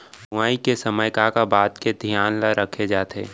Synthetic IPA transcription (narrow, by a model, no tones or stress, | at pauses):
bʊaːikesɐməjkakabaːt̪ked̪ʱjaːnlaɾəkʰed͡ʒaːt̪ḛː